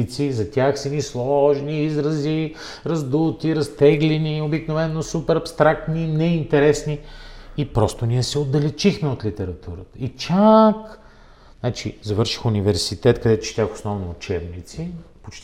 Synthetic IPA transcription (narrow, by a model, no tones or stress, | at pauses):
t̪sizɐt̪ʲjaxsɛnislˠɔʒniizɾɐzi | ɾɐzd̪ut̪iɾɐst̪ɛɡlɛniobiknovɛnːosupɛɾɐpst̪ɾak̚t̪ninɛint̪ɛɾɛsniipɾɔst̪oniɛsɛod̪ɐlɛt͡ʃixmɛot̪lit̪ɛɾɐt̪uɾət̪ə̥it͡ʃak | nat͡ʃizɐvɤɾʃi̥xʊnivɛɾsit̪ɛt̪kɐd̪ɛt̪ʊ̥t͡ʃi̥t̪ʲaxo̥snɔvnoːt͡ʃɛbnit̪si | pot͡ʃt̪